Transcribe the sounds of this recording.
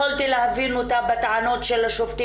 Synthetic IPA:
olt̪ilehavinut̪abat̪aʕano̞t̪ʃelhaʃoft̪i

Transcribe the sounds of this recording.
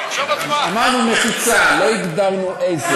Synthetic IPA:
amaʁnumeχit͡salo̞iɡd̪aʁnuʔeze

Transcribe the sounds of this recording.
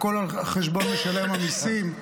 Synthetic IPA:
ko̞laχeʃbo̞nmeʃalemanisim

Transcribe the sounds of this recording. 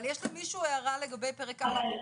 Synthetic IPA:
ljeʃlimiʃuːeaʁaleɡabejpeʁekaa

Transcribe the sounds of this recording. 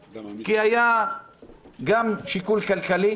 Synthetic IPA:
kiaja | ɡamʃikulkalkali

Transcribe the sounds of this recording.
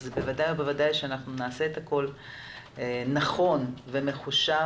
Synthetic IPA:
zebevadajobevadajʃeanaχnunaːseet̪hako̞l | enaχo̞nve̞me̞χuʃa

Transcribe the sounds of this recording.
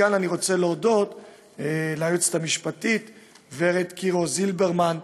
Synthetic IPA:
ananiʁo̞t͡se̞leodo̞t | eleaajut͡st̪amiʃpatit̪ | veʁet̪kiʁo̞zilbeʁman

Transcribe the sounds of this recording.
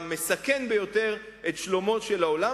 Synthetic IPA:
mesakenbe̞jo̞te̞ʁ | etʃlo̞mo̞tʃelaola

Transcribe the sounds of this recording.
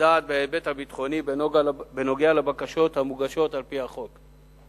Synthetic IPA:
aːt̪̚beebet̪habit̪χo̞nibbeno̞ɡealebakaʃo̞thamuɡaʃo̞talpihaχo̞k

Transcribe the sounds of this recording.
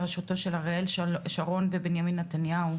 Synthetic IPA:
ʁaʃuto̞ʃelhaʁeelʃaʁo̞nbebenjaminːatanjau

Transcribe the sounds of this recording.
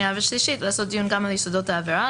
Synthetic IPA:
avaʃliʃit̪laːsot̚d̪ijunɡamaljisod̪ot̪eaveɾa

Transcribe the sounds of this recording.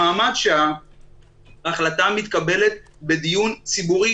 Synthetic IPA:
aːmadʃea | aχlat̪amit̪kabe̞let̪̚ | be̞d̪ijunt͡sibuʁi

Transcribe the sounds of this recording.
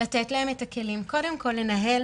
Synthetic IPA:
atetlae̞metake̞limko̞de̞mko̞lːe̞naɦe̞l

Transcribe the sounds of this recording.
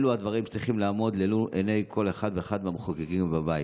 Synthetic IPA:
luad̪vaʁimʃe̥t͡sʁiχimlaːmo̞d̪leluʔenejkʰo̞leχad̪veeχad̪mamχoɡeɡimbabaji

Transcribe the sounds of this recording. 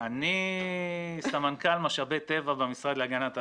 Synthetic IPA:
ani | samankalmaʃabet̪evabemisʁad̪leaɡanat̪a

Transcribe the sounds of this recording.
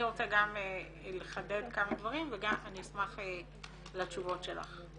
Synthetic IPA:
iʁo̞t͡seɡame | leχaded̪kamad̪vaʁimveɡamanismaχe | lat͡ʃuvo̞tʃela̰χ

